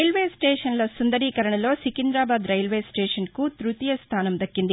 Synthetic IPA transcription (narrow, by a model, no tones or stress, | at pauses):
ɐjlʋeːsʈeːʃɐnlɐsund̪ɐɾikɐɾɐɳɐlo̞ːsikind̪ɾaːbaːd̪ɾɐjlʋeːsʈeːʂɐnkut̪ɾut̪ijɐst̪ʰaːnɐmd̪ɐkːind̪i